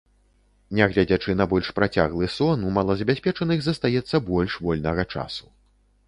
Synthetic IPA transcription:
nʲɛɣlʲad͡zʲat͡ʂɨnɐbɔlʲʂpɾat͡sʲa̰ɣlˠɨsɔnumalˠɐzɐbʲasʲpʲɛt͡ʂɐnɨxzɐst̪ajɛt̪sːɐbɔlʲʂvɔlʲnɐɣɐt͡ʂa̰su̥

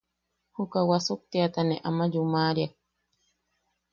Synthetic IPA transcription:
hukawasuk̚t̪iat̪aneʔamad͡ʒumaɾjak

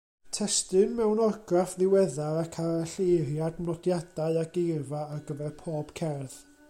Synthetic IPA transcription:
tʰɛstɨnmɛwnɔrɡrafðɪwɛðaɾakʰaɾaɬejrjadmnɔdjad̥aɨaɡejrvaːɡəvɛrpʰoːb̥kʰɛrð

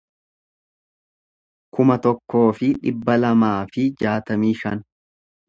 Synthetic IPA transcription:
kʊmɐt̪ɔkːo̞ːfɪᶑɪbːɐlɐmaːfɪd͡ʒaːt̪ɐmiːʃɐ̰n

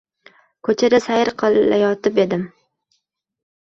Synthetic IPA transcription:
kʰɵt͡ʃʰaɾasajɪɾqʰɨlˠa̰jɒt̪ɪpe̞d̪ɪm

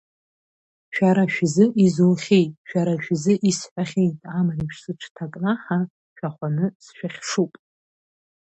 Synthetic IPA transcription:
ʃᶣaɾaʃᶣzɨʔizolχʲejtʼʃᶣaɾaʃᶣzɨʔisħʷᶣaχʲe̞jtʼamaripʰʂsɨʈ͡ʂʰtʰakʼnaħa | ʃᶣaχʷanɨsʃᶣaχʲʂupʼ

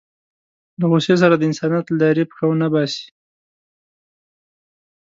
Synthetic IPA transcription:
ləɣoses̬aɾad̪əɪnsɑnjɑt̪ld̪ɑɾepə̥xawnabɑsi̥

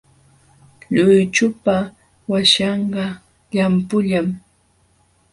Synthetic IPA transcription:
ʎʊjt͡ʃʊpa | waʃɑɴɢɑ | ʎampʊʎam

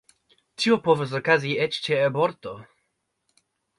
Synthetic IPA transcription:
tiopoves̬okaziɛt͡ʃt͡ʃeaboɾt̪o

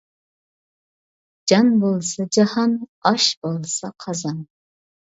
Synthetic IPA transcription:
d͡ʒɑnbolˠsad͡ʒahanɑʃbolˠsaqʰɑzan

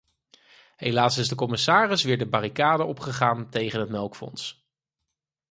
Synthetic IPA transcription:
ɦejlaːsɪzdəkɔmɪsaːrɪsʋɪːɹdəbarikaːdəɔpχəχaːntejχənɦətmɛlˠkfɔ̰ns

